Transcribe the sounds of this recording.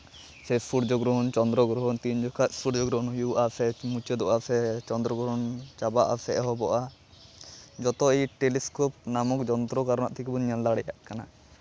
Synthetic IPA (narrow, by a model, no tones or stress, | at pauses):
sʰɛspʰuɽd͡ʒɔɡɾɔɦɔnt͡ʃɔnd̪ɾɔɡɾɔɦɔnt̪iɲd͡ʒɔkʰat̪spʰuɽd͡ʒɔɡɾɔnjuʔasʰɛmut͡ʃed̪ɔʔasʰɛt͡ʃɔnd̪ɾɔɡɾɔɔnt͡ʃabaʔa̰sɛʔɦɔbɔʔa | d͡ʒɔt̪ɔɛjʈeliskɔp̚namɔkd͡ʒɔnt̪ɾɔkaɾɔnaʔt̪ʰikibɔɲanlaɽɛja̰ʔkana